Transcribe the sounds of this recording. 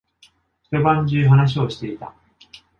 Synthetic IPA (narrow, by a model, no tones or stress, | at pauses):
ç̥t̪ebãɲd͡ʑɨːɦanaɕ̬io̞ɕi̥t̪e̞it̪a̰